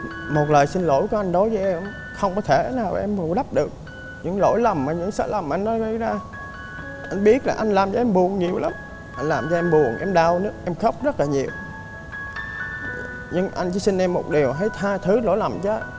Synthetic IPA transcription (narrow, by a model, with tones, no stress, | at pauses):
mo˨˩t̚ləː˨˩jsï˧nlo̰˧˥jku˨˩˦ʔa˧jŋ̟ɗo˨˦jvəː˨˦ʔɛ˧m | xə˧wŋ͡mkɔ˨˦t̪ʰe˧˩naː˨˩wa̰˨˩ʔɛ˧mvu˨˩ɗa˦˥p̚ɗɨ˨˩ək̚ | ɲɨ̰˧˥ŋlo̰˧˥jlə˨˩mːaː˨˩ɲɨ̰˧˥ŋsə̰ː˧˥lə˨˩mʔa˧ŋnɔ˨˦ɣə˧jzaː˧ | ʔa˧jŋ̟ɓi˦˥ət̚laː˨˩ʔa˧ŋ̟laː˨˩mt͡ɕɔ˧ʔɛ˧mɓu˨˩əŋɲi˨˩əwlə˨˦m | ʔa˧jn̟laː˨˩mt͡ɕɔ˧ʔɛ˧mɓu˨˩əŋʔɛ˧mɗa˧wnɨ˦˥ək̚ʔɛ˧mxə˦˥wk͡p̚zə˦˥t̚laː˨˩ɲi˨˩əw | ɲɨ˧ŋʔa˧jŋ̟t͡ɕɨ˨˦si˧n̟ʔɛ˧mːo˨˩t̚ɗi˨˩əwɦə˨˦jt̪ʰaː˧t̪ʰɨ˨˦lo̰˧˥jlə˨˩mt͡ɕəː˨˦